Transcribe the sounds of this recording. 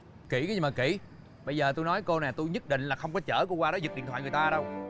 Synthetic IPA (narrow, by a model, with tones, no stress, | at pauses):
ki˧˩ka˨˦zi˨˩maː˨˩ki˧˩ | ɓə˧jzəː˨˩t̪u˧jnɔ˨˦jko˧na˨˩t̪u˧jɲə˦˥t̚ɗḭ˧˨ŋ̟laː˨˩xə˧wŋ͡mkɔ˨˦t͡ɕə̰ː˧˩ku˧əkwaː˧ɗɔ˨˦zi˨˩k̚ɗḭ˧˨t̪ʰw̰aː˧˨ŋ˨˩t̪aː˧ɗə˧w